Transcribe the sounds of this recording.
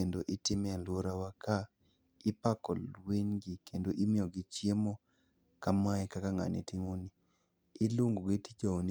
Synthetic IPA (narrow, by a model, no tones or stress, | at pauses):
endoʔɪtɪmɛalwoɾawaka | ɪpakɔ̰lweɲɡikendoʔimɪɔɡɪt͡ʃjemɔ | kamaɛkakaŋa̰nḛtɪŋoniː | luŋɡoɡitid͡ʒon